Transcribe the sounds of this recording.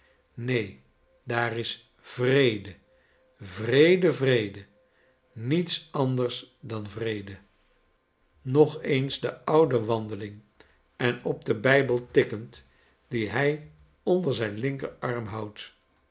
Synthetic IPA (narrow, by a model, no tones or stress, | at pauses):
nej | daːrɪs | v̥rejdə | vrejdəvrejdə | nitsɑndəɹsdɑnvrejdə | nɔχejnsdəɑwdəʋɑndəlɪŋ | ɛnɔb̚dəbɛjbəlˠtɪkənt | d̥iɦɛj | ɔndəɹzɛjnlɪŋkə̰ɑɹmɦɑwt